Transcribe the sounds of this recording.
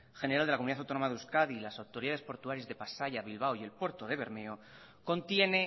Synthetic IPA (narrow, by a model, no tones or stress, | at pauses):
xe̞neɾald̪eakomuniðaθ̬awt̪onomaðeuskaðilasawt̪o̞ɾiðaðe̞spo̞ɾt̪uaɾjazðe̞pasaʝaβilβ̞awie̞lpwe̞ɾt̪o̞ðe̞βe̞ɾmeo | ko̞nt̪je̞ne̞